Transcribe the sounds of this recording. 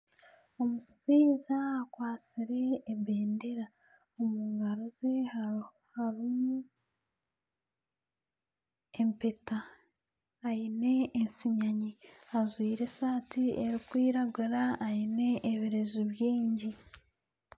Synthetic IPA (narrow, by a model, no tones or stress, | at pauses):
o̞musi̥t͡siːzaːkwaːt͡siɾe̞ːbeːndeɾa | omuːŋɡaɾozeha | haɾimu | e̞mpetaː | jine̞ːnsiɲaɲiazwiːɾe̞saːtieɾikwiːɾaɡuɾaːjine̞ːβiɾe̞zuβjiːɲɟi